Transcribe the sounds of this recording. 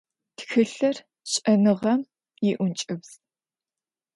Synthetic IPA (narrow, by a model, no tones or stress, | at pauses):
txɨɬɐr | ɕʼɐnɨʁɐm | jɪʔʷʊnt͡ʃʼɪbz